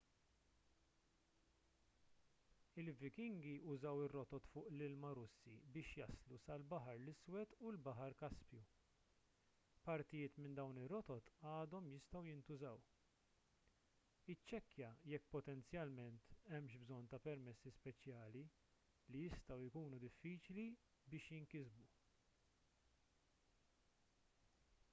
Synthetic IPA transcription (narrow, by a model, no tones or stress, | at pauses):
ɪlvɪkɪŋɡiʊzɐwɪrːɔt̪ɔt̪fʊːʔlɪlmɐɾʊsːḭbɪːʃjɐslusɐlbɐħɐɾlɪswɛt̪ulbɐħɐɾkɐspju | pɐɾt̪ɪjɪːt̪mɪnd̪ɐwnɪrːɔt̪ɔt̪ɐːd̪ɔmjɪst̪ɐwjɪnt̪ʊzɐw | ɪt͡ʃːɛkːjɐjɛkːpɔt̪ɛnt͡sjɐlmɛnt̪ɛmʃbzɔnːt̪ɐpɛɾmɛsːispɛt͡ʃjɐːli | lijɪst̪ɐwɪkuːnud̪ɪfːiːt͡ʃli | bɪːʃjɪŋkɪzbu